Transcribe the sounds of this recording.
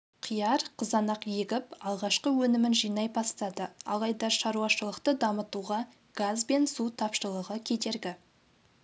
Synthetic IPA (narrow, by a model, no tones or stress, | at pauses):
qʰijɑɾqʰəzɑnɑqjeɡʲɪpɑlˠʁɑʃqəwɵnɪmɪnʒijnɑjbɑst̪ɑd̪əɑ̰lˠɑjd̪ɑʃɑɾuɑʃəlˠəqt̪əd̪ɑmət̪uʁɑ | ɡ̥azbe̞nsut̪ʰɑpʃəlˠəʁəkʲʰe̞t̪e̞ɾɡʲɪ